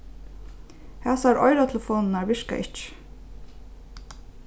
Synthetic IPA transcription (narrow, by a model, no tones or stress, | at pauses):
hæsæːɾʔɔʏɾat̪ʰɛlfoːnn̩æːɹʋɪʂka̰ʔɪt͡ʃə̥